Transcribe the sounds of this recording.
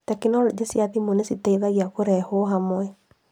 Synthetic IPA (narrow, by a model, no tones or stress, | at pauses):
tɛkinɔɾedesiaðimonesitaiðaɣiakoɾɛhoɦamɔɛ